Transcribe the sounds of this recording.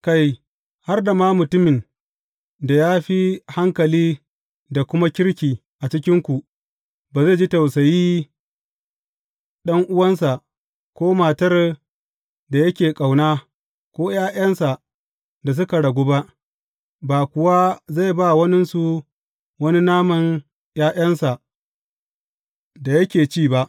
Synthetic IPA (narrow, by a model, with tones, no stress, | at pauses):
ka˦˨j | ha˦rda˨maː˦mʊ˨tʊ˦mɪ˨n | da˨jaː˦ɸi˦ha˦ŋkɐ˨liː˦ | da˨kʷʊ˦ma˦kʲɪ˦ɽkʲiː˨ | ʔa˨t͡ʃɪ˦kʲɪ˦ŋkʷu˨ | baː˨za˦˨d͡ʒi˦ta˨wsɐ˨jiː˦ | ɗɐ˦ŋʔʊ˦wɐ˦nsa˨ʔ | kʷoː˦maː˨tɐ˦r | da˨jɐ˦kʲeː˨kʼa˨wnaː˦ | kʷoː˦jaː˦jɐ˦nsa˨ | da˨s̬ʊ˦ka˨ɽɐ˨ɡʷoː˦ba˦ʔ | baː˨kʷʊ˨wa˦za˦˨jba˦˨wɐ˦nɪ˦nsu˨ | wɐ˦ni˦naː˦mɐ˨n | jaː˦j̰ɐ˦nsa˨ | da˨jɐ˦kʲeː˨t͡ʃiː˦˨ba˦ʔ